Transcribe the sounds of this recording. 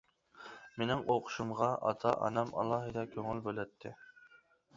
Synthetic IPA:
menɪŋoqʰʊ̥ʃumʁɑʔɑ̰t̪ʰɑʔɑ̰nɑmɑ̰lˠɑɦɨd̪ɑkʲʰøŋylbølɛt̪ʰːɪ

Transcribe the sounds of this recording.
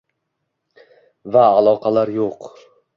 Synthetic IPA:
vaːlˠɒqʰɑlaɾjoq

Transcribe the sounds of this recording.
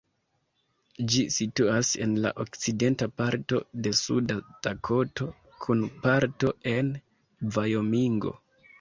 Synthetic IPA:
d͡ʒisituase̞̰nla̰ʔo̞kt͡side̞ntapaɾto̞̰de̞sṵdatakʰo̞to̞ | kʰunpaɾto̞e̞n | vajo̞miŋɡo̞̰

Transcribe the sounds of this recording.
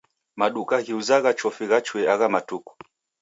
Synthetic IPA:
maɗukahiuzaɣat͡ʃɔfiɣat͡ʃwɛaɣamatuku̥

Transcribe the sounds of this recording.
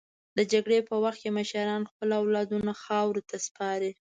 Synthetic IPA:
d̪əd͡ʒaɡɽepəwaxt̪̚kʲeməʃaɾɑnxpəlawlɑd̪unaxɑwɾot̪ʰaspɑɾe

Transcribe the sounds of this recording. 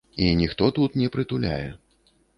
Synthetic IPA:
inʲixt̪ɔt̪ut̪nʲɛpɾɨt̪ulʲa̰jɛ

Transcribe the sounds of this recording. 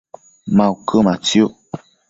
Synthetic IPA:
mawkʰəmat͡sjoʔ

